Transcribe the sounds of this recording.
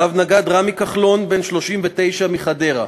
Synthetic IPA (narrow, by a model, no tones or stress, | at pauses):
avnaɡad̪ʁamikaχlo̞nbenʃlo̞ʃimvet̪e̞jʃamiχade̞ʁa̰